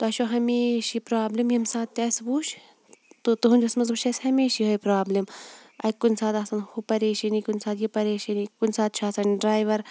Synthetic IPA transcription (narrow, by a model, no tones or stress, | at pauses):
t̪oɐʃoːɦɐmeːʃipɾaːblimjimsaːt̪ːɐsbuʃ | t̪ut̪uɦund͡ʒɐsmɐzbuʃɐsʲhɐmeːʃiɦoːjpɾaːblimɐkunʲsaːt̪aːsɐnhupɐɾeːʃɐnikunsaːt̪jipɐɾeːʃɐnikunsaːt̪̚t͡ʃʰaːsɐnɖɾaːjʋɐɾ